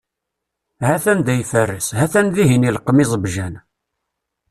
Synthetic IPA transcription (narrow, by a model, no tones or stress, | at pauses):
hæθænd̪æjfərːəsɦæθænðiɦinilqmizˤəbʒæn